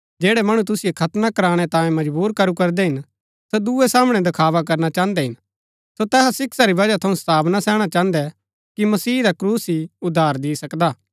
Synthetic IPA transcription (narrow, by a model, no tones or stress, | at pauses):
d͡ʒeːɽɛmɐɽ̃ut̪̬ʊsɪjekʰɐt̪nakɐɾaːɽ̃ɛt̪ãːjẽmɐd͡ʒbuːɾkɐɾukɐɾd̪ɛɦɪn | sɛd̪uesaːməɽ̃ɛd̪ɐkʰaːʋak̬ɐɾnat͡ʃãːnd̪ɛɦɪn | sot̪ɛːsasɪksaɾibɐd͡ʒat̪ʰɐũst̪aːbnasɛːɽ̃at͡ʃãːnd̪ɛ | kimɐsiːɾakɾuːsiʊd̪ʱːaːɾd̪isɐkd̪aː